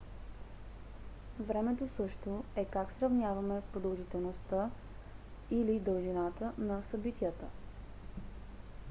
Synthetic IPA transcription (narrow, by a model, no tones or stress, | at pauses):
vɾɛmɛt̪osɤʃt̪oɛkaksɾɐvnʲjavɐmɛpɾod̪əlˠʒit̪ɛlˠnost̪ə | ilid̪ɤlˠʒinat̪ənɐsɐbit̪ijət̪ə̰